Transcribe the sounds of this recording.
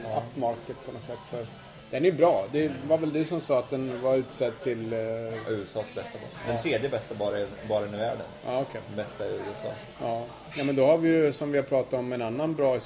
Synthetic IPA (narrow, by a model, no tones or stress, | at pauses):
apːmaɾkət̪pʰɔnɔsɛt̪ːfœɾ | d̪̥ɛnæjɵbɾɑːd̪ɛvaɾvɛld̪ɵsɔmsɑːat̪̚d̪ɛnvaɾʉ̟ːt̪sɛd̪t̪ʰɪlʉ̟ːɛsɑːsbɛst̪abd̪ɛnt̪ʰɾeːd̪jəbɛst̪abɑːɾabɑːɾaɛnɪvæːɖənʔɑːɔkʰɛbɛst̪aɛɾʉːɛsɑ̰ː | ʔɑː | jɑːmɛnd̪ɔhaɾvɪjɵsɔmvɪhapʰɾɑːt̪at̪ɔmɛnanːanbɾɑːɪs